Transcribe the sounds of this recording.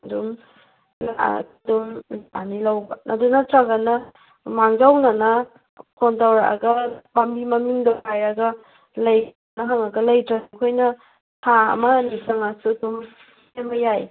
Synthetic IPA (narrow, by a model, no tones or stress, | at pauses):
dum | laa̰kdumanilawbɐnʔɐdunɐtɾaɡɐnɐ | maŋd͡ʒawnɐnɐ | kʰontawɾaa̰ɡɐmamimɐmiŋdakajɐɡɐ | lɐj | nɐɦaŋɐɡɐlɐjtɾakʰojnɐ | tʰaɐ̰mɐnisaŋasudum | emɐjaj